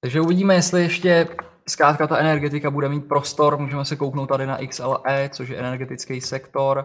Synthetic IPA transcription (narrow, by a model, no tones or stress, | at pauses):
t̪aɡʒɛuvɪɟiːmɛjɛst̪lɪjɛʃcɛ | skɾaːt̪kat̪aɛnɛɾɡɛt̪ɪkabudɛmiːt̪̚pɾo̞st̪o̞ɾmuːʒɛmɛsɛkowknowt̪t̪ːadɪna̰ʔɪksɛlʔɛːt͡so̞ʃ̬jɛʔɛnɛɾɡɛt̪ɪt͡skɛjsɛkt̪o̞ɾ